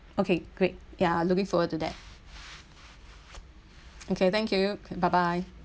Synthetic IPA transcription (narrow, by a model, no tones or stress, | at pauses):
okʰeɡ̥ɹet̚jalʊkɪ̃ŋfɔwəd̚tud̪ɛ̰t̚ | okʰet̪ɛ̃ŋkʰjubaɪbaɪ